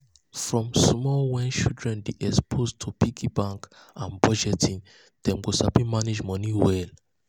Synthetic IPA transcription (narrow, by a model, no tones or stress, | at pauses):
fɹɔ̃msmɔwɛ̃nt͡ʃildɹɛ̃ndiʔɛkspʰostʰupiɡibãŋk | ãnbɔd͡ʒɛtʰĩn | d̥ɛ̃mɡosabĩmaned͡ʒmɔniwɛl